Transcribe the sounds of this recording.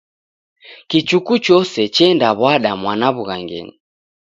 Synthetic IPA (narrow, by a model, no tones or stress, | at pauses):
kit͡ʃukut͡ʃɔsɛt͡ʃɛndaβwaɗamwanaβuɣaŋɡɛ̰ni